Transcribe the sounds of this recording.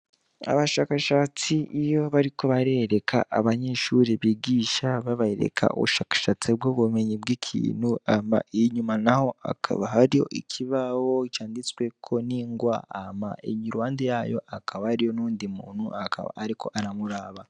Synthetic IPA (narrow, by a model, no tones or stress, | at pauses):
a̰βaʃaːkaʃat͡siʔːjo̞βaɾiko̞βaɾeɾe̞kʰa̰ʔaβaɲeʃuɾeβiɡiːʃaβaβaheɾe̞̰kʰa̰o̰βuʃaːkḁʃat͡sibɡoβume̞ɲibɡikʰḭːnhuama̰eɲumanaho̞a̰kʰa̰βaɦaɾijo̞̰ʔikʰiβawo̞caːndit͡swe̞kʰo̞niːŋɡwa̰ːma̰ʔeɲiɾuwaːndejaːjo̞ʔakʰaβahaɾijo̞nuːndimṵːnhuaka̰βa̰ːɾikʰo̞̰ʔaɾamuɾaːβa